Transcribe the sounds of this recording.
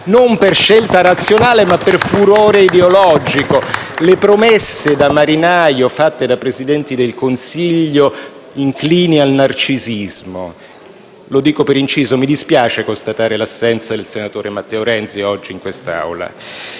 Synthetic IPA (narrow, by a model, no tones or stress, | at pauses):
nomperʃelt̪aɾat̪sːjonaːlemapːerfuɾoːɾeid̪eolɔd͡ʒikolepɾomesːed̪amaɾinaːjofat̪ːed̪apɾezid̪ɛnt̪id̪elkonsiʎːo | iŋkliːnialnart͡ʃizizmo | lod̪iːkopeɾint͡ʃiːzomid̪ispjaːt͡ʃekost̪at̪aːɾelasːɛnt̪sad̪elsenat̪oːɾemat̪ːɛoɾɛnt̪siɔd͡ʒːiːŋkwest̪a̰wla̰